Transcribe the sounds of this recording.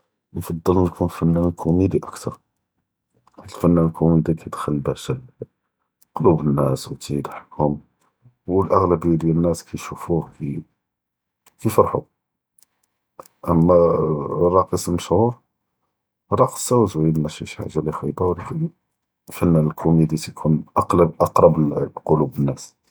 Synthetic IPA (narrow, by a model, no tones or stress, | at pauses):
nfɑd̪ˤːələkʰunfænːænlkʰumid̪iʔækt̪ʰɑɾˤ | lfænːænkʰumid̪ikʰæd̪xəlːbæʃəl | qolubənːæswt̪id̪ħkhʊm | wəlʔæɣləbijːæd̪jænːæskʰæjʃufuki | kifɑɾˤħṵ | ʔəmːærˤːɑqislməʃhuɾ | ɾˤɑqə̥sæwzwiənmæʃiʃħa̰ʒːalixɑb̪æwlifi | lfænːælkʰumid̪it̪kʰunʔɑqlɑbʔɑqɾˤɑbqolubənːæs